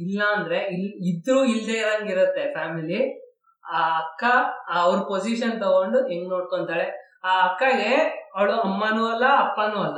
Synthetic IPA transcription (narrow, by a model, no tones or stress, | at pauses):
ilːɐːnd̪ɐɾe̞ilid̪ɾuːild̪eiɾɐŋɡiɾut̪ːe̞pʰaːmili | aːɐkːaɐʋɾupod͡ʒiʃɐnt̪oɡoɳɖueŋɡnoːɽkoɳt̪aːɭe | aːɐkːɐɡe̞ɐʋɭuɐmːɐnuɐlːɐɐpːɐnuːɐlːɐ